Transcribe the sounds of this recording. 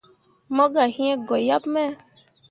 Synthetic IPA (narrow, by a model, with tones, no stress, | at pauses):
mɔ̃˦ɡa˨hĩ˦ɛ̃˦ɡɔ˨ja˦pmɛ˦˨